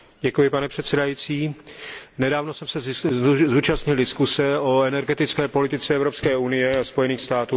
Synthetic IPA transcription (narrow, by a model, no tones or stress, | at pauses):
ɟɛkujɪpanɛpr̥ɛt̪sɛdajiːt͡siː | nɛdaːvno̞sɛmsɛzuːt͡ʃast̪ɲɪldɪskusɛo̞ɛnɛɾɡɛt̪ɪt͡skɛːpo̞lɪt̪ɪt͡sɛʔɛvɾopskɛːunɪjɛaspo̞jɛniːxst̪aːt̪uː